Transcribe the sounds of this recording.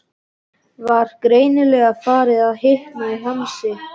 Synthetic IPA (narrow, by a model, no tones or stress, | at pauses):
vaɾ̥kɾeːjnɪlɛɣafaːɾɪðaðɦɪhknaiɦamsɪ